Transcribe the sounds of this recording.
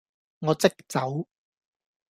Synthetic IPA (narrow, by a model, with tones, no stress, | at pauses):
ŋɔː˨˧t͡sɪ˥k̚t͡sɐ˨˥w